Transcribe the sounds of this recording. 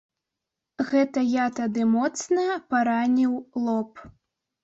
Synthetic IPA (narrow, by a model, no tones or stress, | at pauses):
ɣɛt̪ɐjat̪ad̪ɨmɔt̪snɐpaɾanʲiwlˠɔp